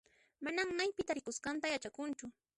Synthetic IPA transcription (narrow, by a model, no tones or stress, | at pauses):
manaŋmajpɪt̪aɾɪkʊskɑnt̪ajat͡ʃakʊnt͡ʃʊ